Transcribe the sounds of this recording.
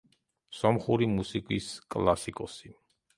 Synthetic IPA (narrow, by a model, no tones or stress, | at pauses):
sɔmχuɾimusikʼiskʼlˠasikʼɔsi